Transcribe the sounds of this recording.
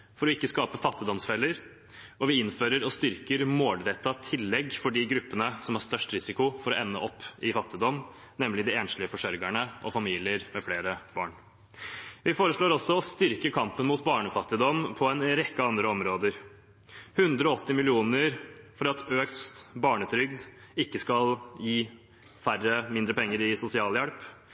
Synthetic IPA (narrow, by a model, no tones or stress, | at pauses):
fɔɾɔɪkːəskɑːpəfɑt̪ːɪd̪ɔmsfɛlːəɾ | ɔʋɪɪnføːɾəɾɔst̪ʏɾkəɾmoːlɾɛt̪ːɑt̪ʰɪlːɛɡfɔɖɪɡɾʉpːənəsɔmhɑɾʂt̪œʂʈɾɪsɪkʊfɔɾɔʔɛnːə̰ʔɔpːɪfɑt̪ːɪd̪ɔmː | nɛmːlɪd̪ɪeːnslɪəfɔʂœɾɡæɳəʔɔ̰fɑmiːlɪəɾmɛfleːɾəb̥ɑ̰ːɳ | ʋɪfoːɾəʂɭoːɾɔsːɔɔst̪ʏɾkəkʰɑmpənmuːt̪bɑːɳəfɑt̪ːɪd̪ɔmpʰɔɛnɾɛkːəɑnd̪ɾəɔmɾoːd̪əɾ | hʉnd̪ɾəɔɔt̪ːɪmɪlɪuːnəɾfɔɾɑt̪ʰøːkst̪bɑːɳət̪ʰɾʏɡd̪ | ɪkːəskɑljiː | færːəmɪnd̪ɾəpʰɛŋːəɾɪsʊsɪɑːljɛɽp